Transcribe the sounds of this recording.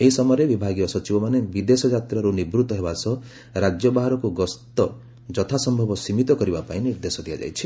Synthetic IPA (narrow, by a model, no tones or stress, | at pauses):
eɦisɔmɔjɔɾebibʱaɡijɔsɔt͡ʃibɔmanebid̪esɔd͡ʒat̪ɾaɾunibɾut̪ɔɦebasɔ | ɾad͡ʒjɔbaɦaɾɔkuɡɔst̪ɔ | d͡ʒɔt̪ʰasɔmbʱɔbɔsimit̪ɔkɔɾibapaĩniɾd̪esɔd̪ʱija̰d͡ʒa̰jt͡ʃʰi̥